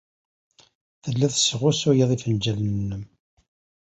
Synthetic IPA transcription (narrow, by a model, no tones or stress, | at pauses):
θəlːæðsəʁʊsujəðˤifənd͡ʒælənənːəm